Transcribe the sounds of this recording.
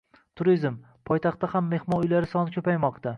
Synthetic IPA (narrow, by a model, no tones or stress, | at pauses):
t̪ʰʊɾizm | pʰɒjt̪ʰaχt̪ahamːe̞hmɒnʊjlaɾɪsɒnɪkʰʲɵpajmɒqt̪ʰa